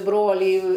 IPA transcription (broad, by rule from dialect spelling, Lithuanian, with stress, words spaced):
ˈbroːlʲiː